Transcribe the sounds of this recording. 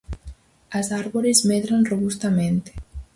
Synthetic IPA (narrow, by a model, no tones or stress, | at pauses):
əzaɾβoɾezmeðɾanroβust̪ament̪